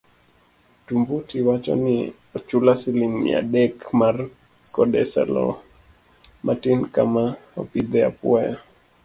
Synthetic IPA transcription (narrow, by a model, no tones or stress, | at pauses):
tumbutiwat͡ʃɔ̰ni | ɔt͡ʃulasilimja̰ɗɛkmar | kɔdɛsa̰lɔ̰ | mʔatinkamaɔpid̪ɛa̰pwaja